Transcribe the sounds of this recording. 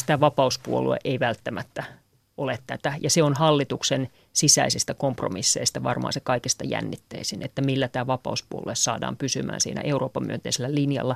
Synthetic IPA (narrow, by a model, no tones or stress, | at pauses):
t̪æʋɑpɑuspuolṵḛʔeiʋælt̪ːæmæt̪ːæ | ʔolet̪t̪æt̪æjɑseonhɑlːit̪uksen | sisæisist̪ækompromisːḛist̪ɑʋɑ̰rmɑ̰ːnsekɑikest̪ɑjæ̰nːit̪ːeisinḛt̪ːæmilːæt̪æːʋɑpɑ̰uspuo̰luessɑ̰ːdɑ̰ːmpysymæ̰ːnsḭːnʔæ̰ʔeuroːpːɑmyønt̪eiselːælinjɑ̰lːɑ